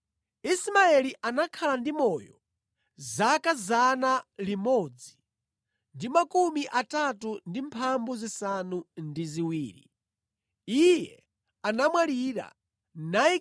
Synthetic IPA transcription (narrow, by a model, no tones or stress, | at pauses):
ismaɛliʔanakʰalandimɔjɔ | zakazanalimɔd͡zi | ndimakumiʔatatundimpʰambuzisanundiziwiːɾḭ | ijɛ | anamwaliɾa̰ | nai